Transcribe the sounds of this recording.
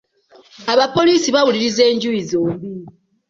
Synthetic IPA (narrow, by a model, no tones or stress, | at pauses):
aβapo̞liːsiβawuliɾize̞ːɲɟujizo̞